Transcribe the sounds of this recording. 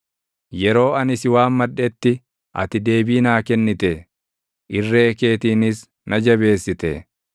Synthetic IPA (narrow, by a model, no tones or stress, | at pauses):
jɛɾo̞ːɐnɪsɪwaːmmɐᶑːɛt̪ːɪ | ʔɐ̰t̪ɪd̪e̞ːbiːnaːkɛnːɪt̪ɛ | ʔɪrːeːke̞ːt̪iːnɪs | nʔɐd͡ʒɐbe̞ːsːɪt̪ɛ